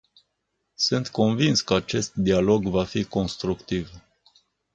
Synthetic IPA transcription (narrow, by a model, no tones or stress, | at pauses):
sɨnt̪ko̞nvinskəat͡ʃe̞st̪d̪ialo̞ɡvafiko̞nst̪ɾukt̪iv